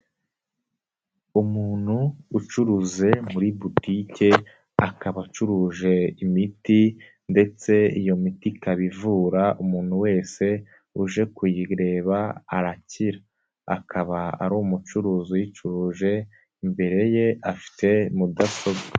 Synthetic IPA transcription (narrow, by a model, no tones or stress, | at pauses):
umuːn̥huːt͡ʃuɾuze̞muɾibutice̞ | akaβat͡ʃuɾuːʒe̞imiti | nde̞t͡se̞ijo̞mitikaβivuːɾaumuːn̥huwe̞ːse̞ | uʒe̞kwiiɾe̞ːβaaɾaciɾa | a̰kʰaβaa̰ɾuːmut͡ʃuɾuːzujit͡ʃuɾuːʒe̞ | imbe̞ɾe̞je̞afi̥te̞mudaso̞ba